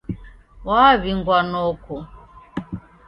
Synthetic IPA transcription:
waːβiŋɡwanɔkɔ

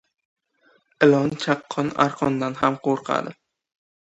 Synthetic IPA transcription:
ɪlɒnt͡ʃʰɑqʰːɒna̰ɾqʰɒnd̪anhamqʰoɾqʰa̰d̪ɪ

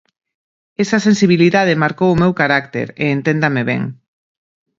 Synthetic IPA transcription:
esɐsẽnsiβ̞iliðað̞emaɾkowʊmewkaɾakt̪ḛɾeːnt̪end̪ameβɛ̰ŋ

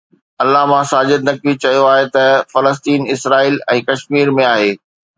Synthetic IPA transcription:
ɐlːaɦmãsaːd͡ʑɪd̪̚nɐkit͡ɕɐjoaːɦet̪ɐfɐləst̪iːnɪsɾaːiːlɛ̃ːkɐʃmiːɾmẽaːɦeː

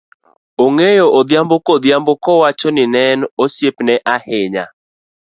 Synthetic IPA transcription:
oŋejoʔod̪jambokɔd̪jambokɔwat͡ʃɔnɪnɛnosjepnɛʔahɪɲa̰

